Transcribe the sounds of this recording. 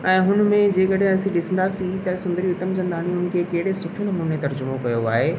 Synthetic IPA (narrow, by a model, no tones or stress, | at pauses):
ɛ̃ːɦʊnmẽd͡ʑeːkɐɗɦẽɐsĩɗɪsə̃nd̪asit̪ɐsʊ̃nd̪əɾiʊt̪əmd͡ʑɐ̃nd̪aːñĩɦʊnɪ̆kʰekɐɦɪɽesʊʈʰenɐmuːnet̪ɐɾd͡ʑʊmokɐjoaːɦeː